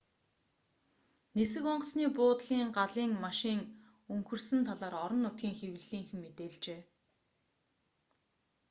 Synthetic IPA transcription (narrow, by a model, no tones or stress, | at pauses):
nesɘ̆kɔɴɢɞ̆sniːpʊːt̪ɮ̥iːɴɢaɮiːŋmaʃiːŋ | ɵŋxɵ̆rsɘ̆nt̪ʰaɮaːɾɔɾɞ̆nːʊt̪̚ɡʲiːŋxew̆ɮiːŋxɘ̆ŋmet̪eːɮt͡ɕeː